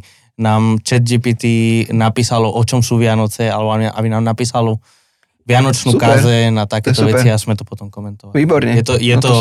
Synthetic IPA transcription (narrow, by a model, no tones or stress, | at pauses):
naːmt͡ʃɛd̪̚d͡ʒiːpiːt̪inapiːsalɔʔɔt͡ʃɔmsuːʋɪanɔt͡sɛalɛbɔaʔa̰binaːmnapiːsalɔ | ʋɪanɔt͡ʃnuːkazɛnat̪akɛːsɔʋɛt͡siazmɛt̪ɔpɔt̪ɔmkɔmɛnt̪ɔʋaliːbɔɾɲɛijɛt̪ɔjɛt̪ɔ